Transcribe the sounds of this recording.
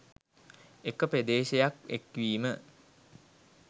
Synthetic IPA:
ekəped̪eːʃejakekʋiːmə

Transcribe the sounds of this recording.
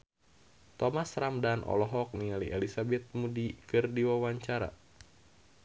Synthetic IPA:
t̪ɔmasramdanʔɔ̰lɔɦɔk̚nialiʔelisabɛt̪̚mudikɨrdiwawaɲt͡ʃaɾa̰

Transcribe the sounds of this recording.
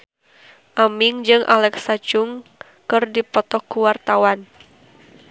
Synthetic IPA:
ʔamiŋd͡ʒɨŋʔa̰lɛksat͡ʃʊŋ | kɨrdipɔt̪ɔkuwart̪awan

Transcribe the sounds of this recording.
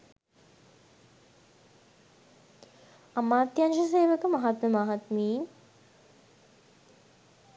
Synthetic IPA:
amaːt̪janʃəs̬eːʋəkəmɐɦat̪məmaɦat̪miː

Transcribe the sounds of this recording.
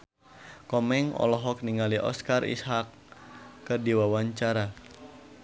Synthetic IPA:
kɔmɛŋɔ̰lɔɦɔk̚niŋaliʔɔ̰skarḭshakː | ədiwawaɲt͡ʃaɾa

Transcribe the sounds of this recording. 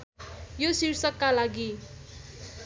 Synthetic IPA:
josiɾsʌkːalaɡi

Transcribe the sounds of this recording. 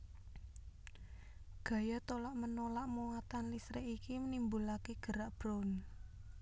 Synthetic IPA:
ɡ̥ä̤jat̪olaʔmənolaʔmuŋat̪anlisɾɛʔikimənimbulakeɡ̥ə̤ɾaʔb̥ɾɔn

